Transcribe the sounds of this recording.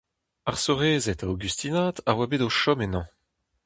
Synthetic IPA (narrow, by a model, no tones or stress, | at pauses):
aʁsoʁeːzɛt̪aoɡyst̪inaːtaʁwabeːdoʃɔmenɑ̃